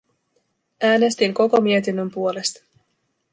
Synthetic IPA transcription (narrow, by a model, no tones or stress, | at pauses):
æːne̞st̪iŋko̞ko̞mie̞t̪inːømpuo̞le̞st̪ɑ̥